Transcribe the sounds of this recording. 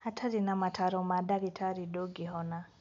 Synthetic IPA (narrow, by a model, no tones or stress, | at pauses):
hatʰaɾinamatʰaɾɔmadaɾitʰaɾidoɡiɦɔna